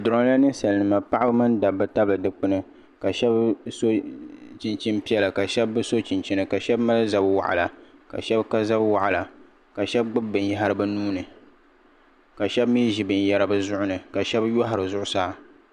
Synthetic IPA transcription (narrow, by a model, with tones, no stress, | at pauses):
dʊ˨ɾɔ˦ŋ˦la˦nɨ˦n˦sa˨lnɨ˨ma˨pa˦ʔa˦bɨ˦mɨ˦n˦da˨bːɨ˦ta˦bɨ˨dɨ˦k͡pɨ˦nɨ˦ | ka˨ʃɛ˦bso˦t͡ʃi˨nt͡ʃi˦npi˦ɛ˦la˨ka˨ʃɛ˦bːɨ˦so˦t͡ʃi˨nt͡ʃi˦nɨ˨ka˨ʃɛ˦bma˦lɨ˦za˦bwa̰˨ʔa̰˨la˨ka̰˨ʃɛ˦bka˦za˦bwa˨ʔa˨la˨ | ka˨ʃɛ˦bɡ͡bɨ˦b̚bɨ˨n˨ja˦ɦa˦ɾɨ˦bɨ˦nuː˦nɨ˨ | ka˨ʃɛ˦bmi˦ʒi˨bɨ˨n˨ja˦ɾa˨bɨ˦zʊ˦ʔʊ˦nɨ˨ka˨ʃɛ˦bjɔ˦ɦa˨ɾɨ˨zʊ˦ʔʊ˦saː˦˨